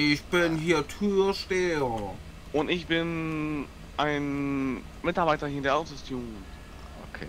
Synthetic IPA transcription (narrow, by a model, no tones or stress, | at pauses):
ʔɪçb̥ɪnɦiːɐtʰyːɐʃteːɐ | ʔʊntɪçb̥ɪn | ʔaɪn | mɪtaɐbaɪtɐhiːɐdeɐʔaʊtʊstʰjun | okʰḛ